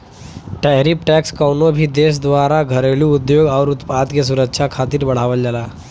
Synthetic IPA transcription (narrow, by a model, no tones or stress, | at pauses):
ʈaɾipʈɛkskəwnobʱiːd̪es̬d̪ʋaɾaɡʱəɾelũːd̪joːɡaʋɾut̪pad̪kes̬uɾəkʃʰakʰat̪iːɾbəɽ̤aʋəld͡ʑala